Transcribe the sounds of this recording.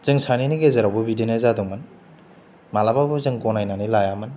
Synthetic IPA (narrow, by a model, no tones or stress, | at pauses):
z̥ɯŋsaniniɡezaɾawbubidenezadɯŋman | malabawbɯzɯŋkɔnajnanilajamɯn